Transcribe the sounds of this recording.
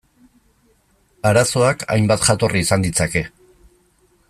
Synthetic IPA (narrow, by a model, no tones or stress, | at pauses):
aɾaso̞aka̰jmbat̪ʝat̪o̞rʔiːsand̪it͡sake̞